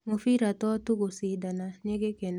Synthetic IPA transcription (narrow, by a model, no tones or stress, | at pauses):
ŋofiɾat̪ɔtukosidanaɲɪɡeken